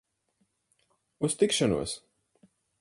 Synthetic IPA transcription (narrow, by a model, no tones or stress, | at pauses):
ust̪ikʃanṵɔs